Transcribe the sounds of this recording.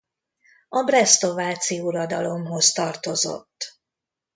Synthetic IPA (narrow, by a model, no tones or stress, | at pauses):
ɒbrɛst̪o̞vaːt̪siuɾɒd̪ɒlo̞mɦo̞st̪ɒrt̪o̞zo̞̰t̪ː